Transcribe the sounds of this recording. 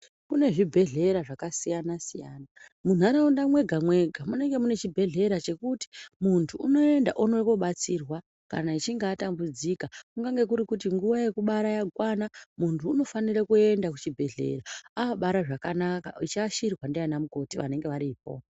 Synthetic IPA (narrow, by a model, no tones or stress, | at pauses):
kune̞ʐibʱe̞ɮe̞ɾaʐakasijanasijaːnamun̤aɾaundamwe̞ɡʱamwe̞ɡʱamune̞ŋɡe̞mune̞t͡ʃibʱe̞ɮe̞ɾat͡ʃe̞kuti̥muntʰuːno̞e̞nda̰ʔuno̞ko̞ɓat͡sirwa | ka̰nait͡ʃiŋɡaːtambud͡zikakuŋɡaŋɡe̞kuɾikutiŋɡuʋaje̞kuɓaɾajaɡʱwanamuntʰuːno̞faniɾekue̞ndakut͡ʃibʱe̞ɮe̞̰ɾaaaɓaɾaʐakanaka̰it͡ʃaʃirwandeanamuko̞tiʋa̰ne̞ŋɡe̞ʋaɾiːp̚o̞̰